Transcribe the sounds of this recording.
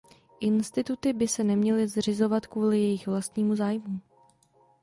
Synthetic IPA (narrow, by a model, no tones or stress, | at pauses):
ʔɪnst̪ɪt̪ut̪ɪbɪsɛnɛmɲɛlɪzr̝ɪzo̞vat̪kvuːlɪjɛjɪxvlast̪ɲiːmuzaːjmuː